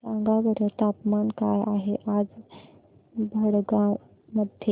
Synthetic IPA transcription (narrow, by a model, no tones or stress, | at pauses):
sãŋɡaʋəɾət̪apmankajʔaɦeʔad͡z | bʱəɽɡa | məd̪ʱje